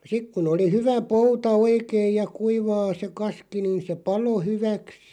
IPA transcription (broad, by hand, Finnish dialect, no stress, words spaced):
sik kun oli hyʋæ poutɑ oikeij jɑ kuiʋɑː se kɑski niːn̞ se pɑlo hyʋæks